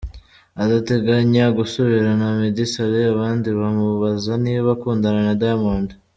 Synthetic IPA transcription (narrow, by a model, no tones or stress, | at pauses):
adate̞ɡaɲaɡusoβiɾanamedisaɾeaβaːndiβamuβazaniːββakuːndananadajmaːnda